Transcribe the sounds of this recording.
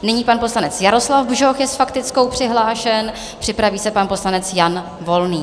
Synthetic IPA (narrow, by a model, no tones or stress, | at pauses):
nɪɲiːpanpo̞slanɛt͡sjaɾo̞slavbʒoxjɛsfakt̪ɪt͡sko̞wpr̝̥ɪɦlaːʃɛn | pr̥ɪpɾaviːsɛpanpo̞slanɛt͡sjan | vo̞lniː